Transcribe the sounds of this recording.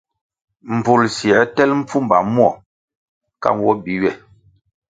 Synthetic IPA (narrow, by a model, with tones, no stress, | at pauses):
m̩˨b͡vu˨lsi˨ɛ˦tɛ˦lm̩˦p͡fu˦mba̰˨mwɔ˦˨ | ka̰˦mwɔ˦bi˨˦ɥɛ˦˨